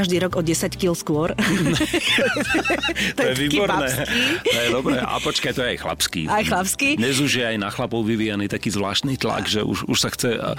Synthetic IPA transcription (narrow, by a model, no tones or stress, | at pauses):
aʒd̪iːɾɔɡɔɟɛsackilskʊɔɾ | t̪ɔjɛʋiːbɔɾnɛːit̪ɔjɛd̪ɔbɾɛʔa̰pɔt͡ʃkact̪ɔjɛajxla̰pskḭajxlapskid̪ɲɛzuʒjɛajnaxlapɔʊʋiʋiːjaniːt̪akiːzʋla̰ːʃt̪niːt̪la̰ɡʒɛṵʒuʃsaxt͡sɛ